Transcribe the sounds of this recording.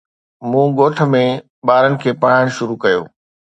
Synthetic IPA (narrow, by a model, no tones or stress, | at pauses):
mũːɡoːʈʰə̆mẽ | ɓaːɾənɪ̆kʰeːpɐɽ̤aɽ̃̆ʃʊɾukɐjo̰ː